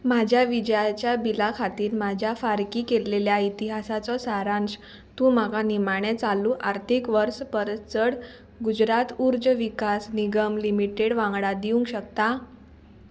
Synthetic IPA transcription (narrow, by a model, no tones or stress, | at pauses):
mad͡ʑʱjaʋid͡ʑəjat͡ɕjabilakʰat̪iːɾmad͡ʑʱjafaɾkiːkeleljait̪iɦasat͡sɔsaɾãns | t̪ũːmaɡanimaɽ̃et͡saluːʔaɾt̪ʰikʋəɾspəɾt͡səɽ | ɡud͡ʑɾat̪uɾd͡zəʋikasniɡəmlimiʈeɽʋãŋɡɽad̪iũŋkɕək̚t̪a